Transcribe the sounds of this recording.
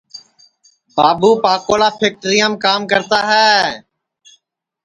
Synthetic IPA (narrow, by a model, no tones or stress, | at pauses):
baːbuːpaːkoːlaːpʰeːk̚ʈɾijaːmkaːmkəɾt̪aːɦɛː